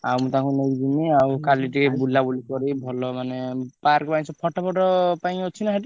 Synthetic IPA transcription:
awmũt̪ãkʰunekd͡ʒimiawkaliʈikebulabulikɔɾibʱɔlɔmanepaɾkpaj̃t͡ʃʰɔpʰɔʈɔpʰɔʈɔpaĩot͡ʃʰinaɦaʈi

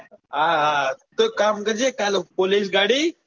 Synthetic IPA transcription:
aːt̪əkaːmkɐd͡ʒekalpolis̬ɡaːɽiː

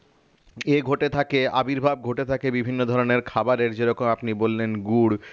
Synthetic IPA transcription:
eɡʱoʈet̪ʰakeabiɾbʱab̚ɡʱoʈet̪ʰakebibʱinːod̪ʱɔɾoneɾkʰabaɾeɾd͡ʑeɾɔkomapnibolːenɡuɽ

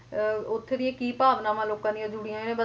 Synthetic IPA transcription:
ʊt̪ʰːed̪ɪjãːkiːpaːʋnãːmãːloːkãːd̪ɪjãːd͡ʒʊɽɪjãːenẽːbə

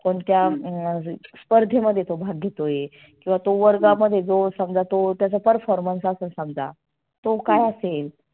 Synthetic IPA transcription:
koɳt̪ja | spəɾd̪ʱeməd̪ʱːjet̪obʱaɡɡʱet̪oje | kĩw̃ʋat̪oʋəɾɡaməd̪ʱːjed͡zosaŋɡd͡zat̪ot̪jat͡səpəɾfɔɾmənsasuːnsãŋɡd͡za̰ | t̪okajasel

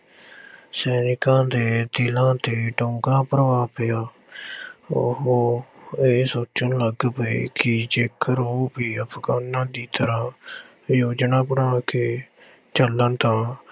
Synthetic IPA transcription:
sɛːnɪkãːd̪eːt̪ɪlãːt̪eːʈõːŋɡãːpɾəʋaːpɪaː | oɦoːeːsoːt͡ʃənləɡpeːkɪd͡ʒeːkʰəɾoːpiːəpʰɡaːnãːd̪iːt̪əɾãː | joːd͡ʒnãːpəɽãːkeː | t͡ʃələnt̪ãː

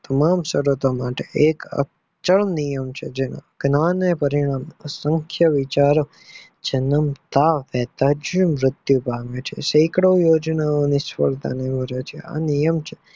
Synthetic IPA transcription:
t̪əmamsəɾot̪omaʈeʔekə̰ | t͡ʃəɭnijəmt͡ʃʰed͡ʒena̰ɡ̥nanepəɾiɳ̃amsəŋkʰjəʋit͡ʃaɾo | d͡ʒənəmt̪aʋɛt̪ad͡ʒumɾɪt̪jubaʋet͡ʃʰḛʃejkɽoʋjoːd͡ʒnaonisfəɾt̪a̰neməɾet͡ʃʰea̰nijəmt͡ʃʰe̥

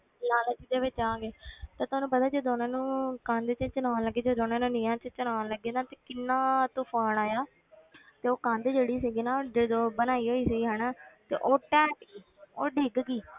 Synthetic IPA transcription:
laːlət͡ʃid̪eːʋɪt͡ʃãːɡeːt̪aːt̪ʊɦaːnũːpəd̪aːd͡ʒoːd̪oːnãːnũːkãːnd̪eːt͡ʃə̃t͡ʃənaːləɡːeːd͡ʒoːd̪oːnãːnũːnɪ̃ːãːt͡ʃt͡ʃənaːləɡːeːd̪ãːt̪eːkɪnːãːt̪ʊpʰaːnaːjaː | t̪eːoːkãːnd̪eːd͡ʒeːɽiːsiɡiːnaːoɖed̪oːbənaːiːɦoːiːsɪɡiːɦɛːnaːt̪ḛːʔoːʈɛ̃ːʈɡiː | oːɖeːɡɡiː

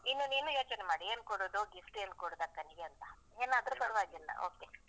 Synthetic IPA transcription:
inːuneːnujoːt͡ʃnemaːɽieːnkoɽoːd̪oɡisʈeːnukoɽod̪akɐniɡeɐnt̪ɐ̥ | eːnaːd̪ɾupɐɾʋaːɡenːɐ̰o̰ːɡ̚t̪e

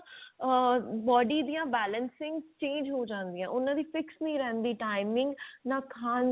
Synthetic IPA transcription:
bɔːɖiːd̪ijãːbɛːlənsɪ̃ŋɡt͡ʃẽːnd͡ʒɦoːd͡ʒãːnd̪ɪjãːʔʊnãːd̪iːfɪksnĩɾɛːnd̪iːʈaːɪmɪ̃ŋɡnãːkʰaːn

